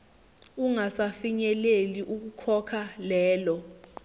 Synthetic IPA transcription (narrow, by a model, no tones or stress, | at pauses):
uŋasafiɲɛleliʔuk̬ukʰɔkʰalɛːlɔ